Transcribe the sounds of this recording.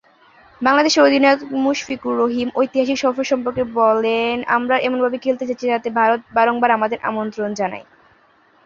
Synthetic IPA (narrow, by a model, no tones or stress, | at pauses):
baŋlad̪eʃeod̪ʱinaot̪muʃfikuɾːoɦimojt̪iɦaʃikʃɔfʰoɾʃɔmpoɾkebɔlena̰mɾaʔemonbʱabekʰelt̪et͡ɕat͡ɕʰid͡ʑat̪ebʱaɾot̪̚baɾoŋbaɾamad̪eɾʔa̰mont̪ɾond͡ʑana̰j